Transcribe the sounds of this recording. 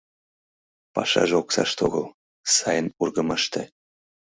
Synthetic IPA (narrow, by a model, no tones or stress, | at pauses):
pɑ̰ʃɑ̰ʒoksɑʃt̪oɣɤlˠ | sɑjənurɣəmɑʃt̪ĕ